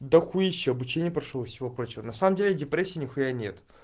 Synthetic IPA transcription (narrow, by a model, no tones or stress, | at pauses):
d̪ɐxujiɕːɪɐbʊt͡ɕenʲɪjəpɾɐʂovəfsʲɪvopɾo̞t͡ɕɪvənɐsaməmdʲelʲɪdʲɪpɾʲesʲːiːnʲɪxʊjanʲe̞t̪